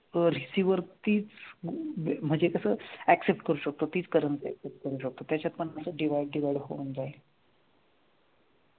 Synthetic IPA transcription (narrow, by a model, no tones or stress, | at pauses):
ɾisiʋəɾt̪iːt͡s | m̤əd͡ʑekəsəːæksep̚ʈkəɾuːɕək̚t̪ot̪iːt͡skəɾənsiæksep̚ʈ̚kəɾuːɕək̚t̪ot̪jat͡ɕat̪̚pəɳəsəːɖiʋajɖɖiʋajɽɦo̰und͡zae